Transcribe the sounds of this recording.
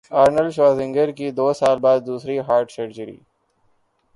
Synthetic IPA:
aːɾnəlʃʋaːzɪ̃ŋɡəɾkid̪oːsaːlbaːd̪̚ːuːsɾiɦaːɾʈsəɾd͡ʒəɾḭː

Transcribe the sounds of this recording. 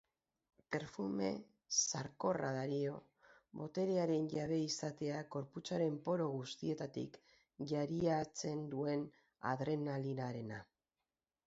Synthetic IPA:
pe̞ɾfume̞̰ | saɾko̞raðaɾio̞ | βo̞t̪e̞ɾiaɾe̞nʝaβe̞isat̪e̞aɡo̞ɾput͡saɾe̞mpo̞ɾo̞ɣ̞ust̪ie̞t̪at̪ḭk | ʝaɾiat͡se̞nd̪ue̞n | a̰ðɾe̞nalinaɾe̞na

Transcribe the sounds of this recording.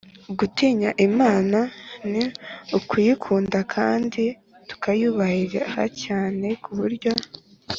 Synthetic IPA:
uɡutiːɲaʔimaːnaniukujikʰuːndakʰa̰ːndi | tu̥kajuβahiɾaha̰caːne̞kuβuɾɟo̞

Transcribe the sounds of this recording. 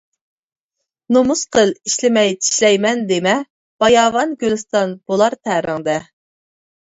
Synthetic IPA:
nomusqʰəlˠiʃlɪmɛjt̪ʰi̥ʃlɛjmɛnd̪emɛ | b̥ɑjɑːvɑnɡʲølɨst̪ɑnb̥olˠɑɾt̪ʰæɾɪŋd̪ɛ

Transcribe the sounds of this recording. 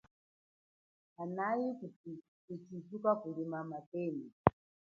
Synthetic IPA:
anajiku | kut͡ʃizukakulimamatɛːnɛ

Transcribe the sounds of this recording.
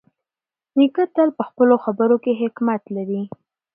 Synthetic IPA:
nikət̪əlpəxpəloxabəɾokeɦɪkmat̪laɾi

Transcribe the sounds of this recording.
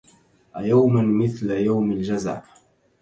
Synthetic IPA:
ʔajawmanmɪθlajawmald͡ʒazʕ̰

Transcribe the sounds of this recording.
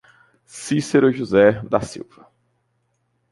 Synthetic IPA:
siseɾoʒuzɛd̪asḭwvɐ

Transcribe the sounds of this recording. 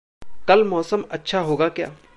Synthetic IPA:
kɐlmɔːsəmɐtːʃʰaɦoːɡakja̰ː

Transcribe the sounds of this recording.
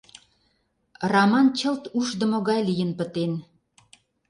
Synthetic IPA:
rɑmɑnt͡ɕə̆lt̪uʃd̪ə̆moɣɑjlijənpə̆t̪en

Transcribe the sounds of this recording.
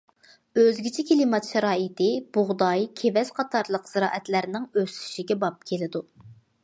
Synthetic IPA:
øzɡʲit͡ʃʰikʲʰelimɑt̪ʃɛɾɑːɪt̪ʰɪb̥ʊʁd̪ɑjkʲʰevɛsqʰɑt̪ʰɑɾlˠəqz̥ɨɾɑ̰ːʔɛt̪læɾnɪŋøst̪y̥ʃiɡʲɛbɑp̚kʲʰelɪd̪u

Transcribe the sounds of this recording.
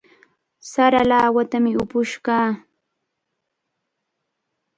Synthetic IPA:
saɾalaːwat̪amɪʊpʊʃkɑː

